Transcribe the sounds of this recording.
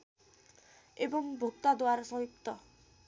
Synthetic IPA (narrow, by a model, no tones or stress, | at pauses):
ebɔŋbʱukt̪ad̪oaɾɔsɔɦip̚t̪ɔ